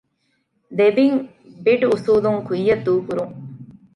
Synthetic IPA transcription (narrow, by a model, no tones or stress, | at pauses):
d̪ebiŋ | biɖusuːd̪uŋkujːɐd̪uːkuɾuŋ